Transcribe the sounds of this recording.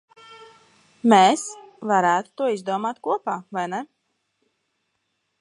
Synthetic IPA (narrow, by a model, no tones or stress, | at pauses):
meːsvaɾæːt̪u̥t̪uɔizd̪uɔmaːt̪kuɔpaːvajnɛ